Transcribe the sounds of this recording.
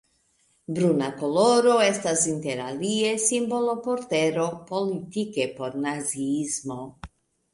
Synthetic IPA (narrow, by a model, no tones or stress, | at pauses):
bɾunakoloɾoest̪asint̪eɾaliesimbolopoɾt̪eɾopolit̪ikepoɾnaziiizmo